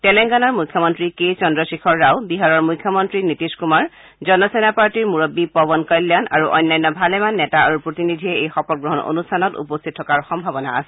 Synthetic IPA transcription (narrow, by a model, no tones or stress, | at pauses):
tɛlɛŋɡanɔɹmujkʰːɔmɔntɹikejt͡ʃɔndɔsikʰɔɹːawbiɦaɹɔɹmujkʰːjɔmɔntɹinitiskumaɹ | zɔnɔsenapaɹtiɹmuɹobːipɔbɔnkɔjljana̰ɹuʔɔ̰jnːajnːɔbʱalɛmanːɛtaa̰ɹupɹotinidʱiɛejxɔpɔt̚ɡɹɔɦɔno̰nustʰanɔtṵpɔst̪ʰit̚ʰːɔkaɹxɔmbʱabɔna̰a̰sɛ